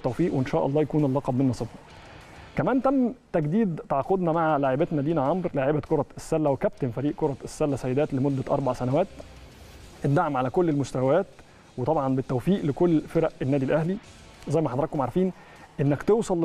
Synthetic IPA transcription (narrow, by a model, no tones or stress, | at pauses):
t̪ːæwfiːʔweʔenʃæːʔɑlˤːɑːjækuːnelːɑqɑbmenːɑsˤebɑ | kæmæːnt̪æmːt̪æɡd̪iːd̪t̪ɑʕɑqod̪næmaʕlaʕebæt̪næd̪iːnæʕɑmɾlaʕebækoɾˤɑesːælːæwekæp̚t̪enfæɾiːʔkoɾˤɑsːælːæsæjːed̪æːt̪lemod̪ːæʔɑ̰ɾˤbaʕsænæwæːt̪ | ʔed̪ːaʕmʕalækolːelmost̪æwæwæːt̪ | wet̪ˤɑbʕɑnbet̪ːæwfiːʔlekolːfeɾæʔenːæːd̪ilʔæhli | zæjːmæħɑd̪ɾˤɑkːomʕɑɾˤfiːn | ʔenːækt̪ewsˤɑlː